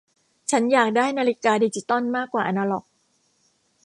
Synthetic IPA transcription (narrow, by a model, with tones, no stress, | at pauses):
t͡ɕʰa˦˥njaː˨˩k̚daː˥˩jnaː˧li˦˥kaː˧diː˧t͡ɕi˦˥t̪ɔ˥˩˨nmaː˥˩kːwaː˨˩ʔa˧naː˧lɔ̰˨˩k̚